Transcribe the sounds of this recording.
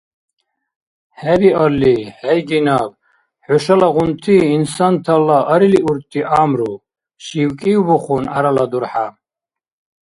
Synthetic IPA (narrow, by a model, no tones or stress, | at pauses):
ħɛɾiʔɔɾliħɛjɡinab̚ | ħɔʃalaʁunt̪ʰiːnsant̪ʰalaʔəɾiliʔuɾt̪ʰʼːiʔamɾu | ʃiwkʼibɔχunaɾalad̪uɾħa